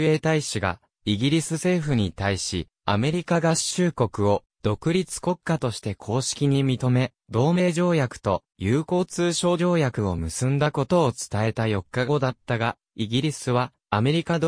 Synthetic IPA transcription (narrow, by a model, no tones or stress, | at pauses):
eːt̪aiɕiɡa̰ | iɡʲiɾʲisɨse̞ːɸɯ̟ɲ̟it̪aiɕḭ | a̰me̞ɾʲikaɡaɕɨːko̞kɯ̟o̞ | d̪̥o̞kɯ̟ɾʲit͡sɨ̥ko̞kːat̪o̞ɕi̥t̪e̞kʰo̞ːɕi̥kʲiɲ̟imʲit̪o̞me̞ | d̪o̞ːme̞ːʑo̞ːjakɯ̟̥t̪o̞ | jɯːko̞ːt͡sɨːɕo̞ːo̞ːjakɯ̟o̞̰mɯ̟sɨ̃nd̪ako̞t̪o̞ːt͡sɨ̥t̪ae̞t̪ajo̞kːaɡod̪at̪ːaɡa | iɡʲiɾʲisɨβaː | me̞ɾʲikad̪